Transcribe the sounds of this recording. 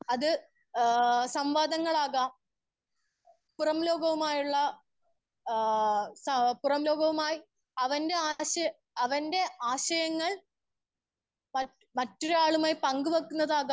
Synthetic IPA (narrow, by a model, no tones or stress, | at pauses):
ɐðɨ | sɐmʋaːd̪ɐŋːɐɭaːɣɐ | purɐmlo̞ːɡɐʋumaːjuɭːɐ | sɐpurɐmlo̞ːɡɐʋumaːji | ɐʋɐnde̞aːɕɐj | ɐʋɐnde̞aːɕɐjɐŋːɐɭ | mɐ | mɐtːoɾaːɭumaːjipɐŋɡuʋɐkːunːɐðaːɣa